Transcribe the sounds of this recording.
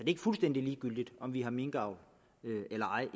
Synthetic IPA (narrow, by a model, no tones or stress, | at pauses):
sɒde̝e̝ɡ̥əfulsd̥en̰d̥iliːɡ̥yl̰d̥id̥ɒ̽mʋiɦɑ̈me̝ŋɡ̥ɑ̈ʊ̰l | øelɐɑ̈ɪ